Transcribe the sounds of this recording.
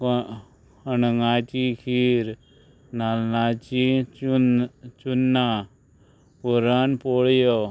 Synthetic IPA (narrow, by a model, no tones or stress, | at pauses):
ənŋaːt͡ʃikʰiɾ | nalnat͡ʃi | t͡ʃunːa | puɾanpoɭjo